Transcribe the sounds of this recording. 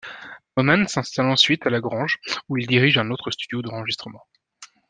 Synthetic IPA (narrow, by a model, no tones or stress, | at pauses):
ɔmansɛ̃st̪alɑ̃sɥit̪alaɡʁɑ̃ʒuild̪iʁiʒɛ̃not̪χəst̪yd̪jod̪ɑ̃ʁəʒist̪χəmɑ̃